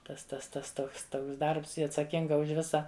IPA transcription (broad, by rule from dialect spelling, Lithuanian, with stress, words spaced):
tɐs tɐs ˈtɐs ˈtoːks ˈtoːks ˈdɐrps ˈjɪ ɐtsɐˈkʲɪŋɡɐ ʊʃ ˈʋʲɪsɐ